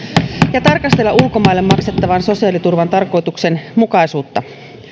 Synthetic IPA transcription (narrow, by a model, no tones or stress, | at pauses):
jɑt̪ɑrkɑst̪elːɑʔulko̞mɑjlːe̞mːmɑkse̞t̪ːɑʋɑnso̞siɑlit̪urʋɑnt̪ɑrko̞jt̪ukse̞nmukɑjsuːt̪ːɑ